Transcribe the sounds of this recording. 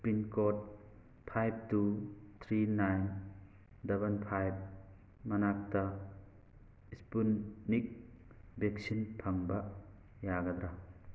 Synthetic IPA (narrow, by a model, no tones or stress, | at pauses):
spɾinkɔt̚ | pʰajb̚tut̪ʰɾinajn | debɐnpʰajb̚ | mɐnak̚tɐ | ispunːik̚ | bek̚sinpʰɐŋbɐ | jaɡɐd̪ɾa